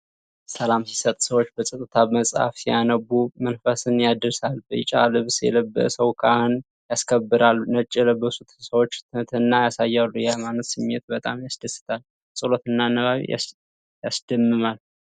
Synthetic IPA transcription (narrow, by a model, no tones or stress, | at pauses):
səlamsi̥sət̪ʼsəwot͡ʃːbəsʼət̪ʼːɨt̪ʰaməsʼha̰fsijanəɡːumənfəsɨnjad̪ɨɾsalbɨt͡ʃʼa̰lɨβsjɛ̰ləbːə̰ʔsəwkʰahɨn | jaskʰəbːɨɾalnət͡ʃʼːələbəsut̪ʰsəwot͡ʃ̪ːt̪ʰnːajasajːalːujɛmanːət̪sɨmjet̪̚bət̪ʼamjasd̪əsɨ̥t̪ʰal | sʼɨlo̞t̪ɨnːanəβaβḭa̰ | jasd̪̥əmːɨmal